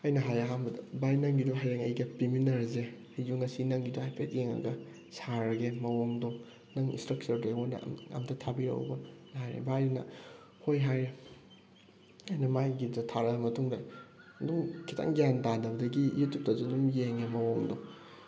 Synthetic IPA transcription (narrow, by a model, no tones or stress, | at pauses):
ɐjnɐɦajɐɦambɐdɐbajnɐŋɡidoɦajɾeŋɐjɡɐpiminɐɾze | ajd͡ʒuŋːɐsinɐŋɡidohajpʰeteŋɐ̰ɡɐ | saɾɐɡemɐwoŋdɔ | nɐŋḭnstɾɐk̚t͡ʃɐɾdeondɐ̰ɐ̰mtʰɐtʰabiɾɐ̰w̰bɐnajɾḛbajnɐ̰ | hojɦajɾe | ɐjnɐmajɡidɐtʰaɾɐɡɐmɐtʰuŋdajɐduŋkʰitʰa̰ŋɡijantadɐbɐdɐɡḭjitup̚tɐzodumjeŋemɐwoŋdo